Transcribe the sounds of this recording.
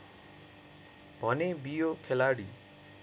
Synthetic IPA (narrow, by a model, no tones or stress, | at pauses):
bʱʌnebijokʰelaɽḭ